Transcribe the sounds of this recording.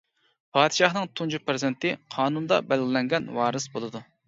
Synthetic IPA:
pʰɑːd̪ɨʃɑχnɨŋt̪ʰund͡ʒupɾɨzɪnt̪ɪqʰɑːnund̪ɑ̰bɛlɡʲilɛŋɡʲɛnwɑːɾɨsbolˠɨd̪u

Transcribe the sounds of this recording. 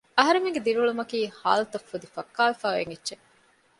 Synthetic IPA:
ɐɦɐɾemeŋɡed̪iɾuɭumɐkiːha̰ːlɐt̪ɐfːud̪ifɐkːaːʋifaːḛŋitːʃe

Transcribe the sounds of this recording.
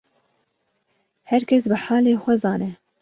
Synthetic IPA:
hɛɾkʲʰɛsbɨħaːleːxʷɛzɑːnɛ

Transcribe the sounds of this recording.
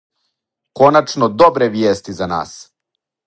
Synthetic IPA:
ko̞nat͡ʃnod̪o̞bɾeʋjeːst̪izana̰ːs

